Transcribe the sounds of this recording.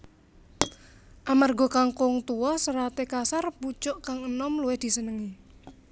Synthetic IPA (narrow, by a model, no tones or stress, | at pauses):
ʔamarɡɔ̤kaŋkoŋt̪uɔsəɾat̪ekasarput͡ʃɔʔkaŋənɔmluehd̪̥i̤sənəŋi